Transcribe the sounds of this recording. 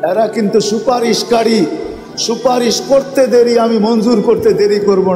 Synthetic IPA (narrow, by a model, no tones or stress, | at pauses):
eɾakint̪usupaɾiʃkaɽi | supaɾiʃkoɾt̪ed̪eɾiamimond͡ʒuɾkoɾt̪ed̪eɾikoɾbo